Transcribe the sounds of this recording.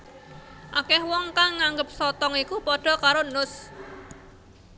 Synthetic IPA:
ʔakɛhwɔŋkaŋːaŋɡəp̚sɔt̪ɔŋikupɔɖ̥ɔ̤kaɾonʊs

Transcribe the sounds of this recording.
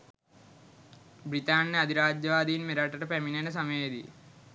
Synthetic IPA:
brit̪aːnːəad̪ʱiɾaːd͡ʒjəʋaːd̪iinmeɾaʈəʈəpæminenəs̬aməjed̪ḭ

